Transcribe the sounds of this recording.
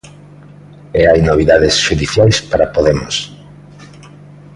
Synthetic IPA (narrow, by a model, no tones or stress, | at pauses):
eajnoβ̞iðaðɪsʃuðiθjajspaɾapoðemʊs